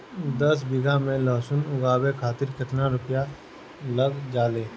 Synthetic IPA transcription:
d̪ɐsbɪɡamẽlɔːsʊnʊɡaːwekʰaːt̪ɪɾkʰɪt̪naɾʊpja | lɐɡd͡ʒaːleː

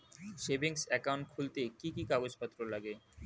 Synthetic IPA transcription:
ʃebiŋsɛkawɳʈ̚kʰult̪ekikikaɡod͡ʑpat̪ːɾolaɡe

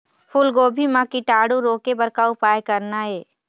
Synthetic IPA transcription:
pʰʊlɡoːbʱimãkiʈaːɽuɾoːkebəɾkaʊpaːjkɐɾnaɦɛː

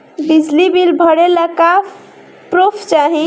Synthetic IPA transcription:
bid͡ʒʱlibilbʱəɽeləka | pɾopʰt͡ʃaɦi

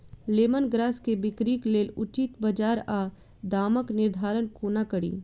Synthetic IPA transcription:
leːmənɡɾaːskebɪkɾiːkleːlʊt͡ʃɪt̪bəd͡ʒaːɾaː | d̪aːməknɪɾd̪ʱaːɾənkoːnakəɽḭː

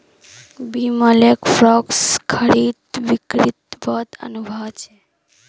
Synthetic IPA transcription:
biməlekfɾɔkskʰəɾit̪ʋikɾit̪bət̪ə̰nubʱəʋt͡ʃʰe

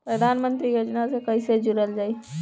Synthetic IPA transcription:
pɾəd̪ʱanmənt̪ɾijod͡ʒnasekəised͡ʒuɾəld͡ʒaːi

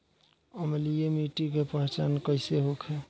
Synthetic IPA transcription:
əmelijemiʈikepəɦet͡ʃankəɪseɦokʰe

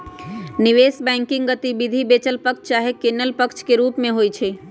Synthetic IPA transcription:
nɪʋeːsbɛ̃ːŋkɪ̃ŋɡɡət̪ibɪd̪ʱibeːt͡ʃəlpəkt͡ʃt͡ʃaːɦekeːnəlpəkt͡ʃkeɾuːpmẽɦoːit͡ʃʰeː

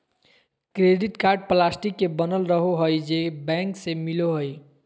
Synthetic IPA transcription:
kɾeɖiʈkaɾɖ̚plasʈikːebənəlɾəɦoɦojd͡ʒebɛ̃ŋksemiloɦoj

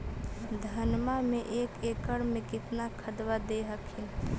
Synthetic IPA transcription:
d̪ʱənmameʔekekəɽmekɪt̪nakʰəd̪wad̪eɦəkʰin

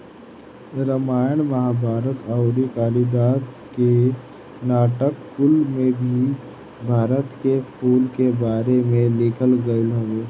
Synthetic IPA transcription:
ɾəmaːjəɳmɐɦabʱaːɾət̪əʊɾikaːlid̪aːt̪ | ke | naːʈəkːʊlmẽbʱi | bʱaːɾət̪kepʰuːlkebaːɾemẽlɪːkʰəlɡəɪlɦɐʋeː

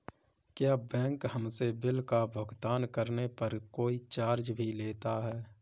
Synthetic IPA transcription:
kjaːbɛ̃ːŋkhəmsebɪlkabʱəɡt̪aːnkəɾnepɐɾkoːit͡ʃaːɾd͡ʒbʱileːt̪aɦɛː

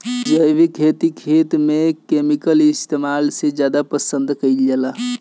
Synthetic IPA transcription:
d͡ʒəjʋikʰet̪ikʰet̪mekemikəlist̪ʰemalsed͡ʒjad̪apəsənd̪ʱkəjljela

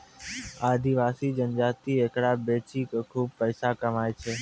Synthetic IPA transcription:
aːd̪ʱiʋaːsiːd͡ʒənd͡ʒaːt̪ieːkɽabeːt͡ʃikkʰuːb̚pəjsakəmaːet͡ʃʰeː

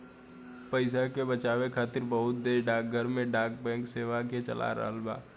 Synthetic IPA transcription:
pəɪs̬akebət͡ʃaːʋekʰaːt̪ɪɾbəɦʊt̪̚d̪eːɾɖaːk̚ɡʱəɾmẽɖaːk̚bɛ̃ːŋkseːʋaket͡ʃə̰la̰ɾə̰ɦəlba̰ː

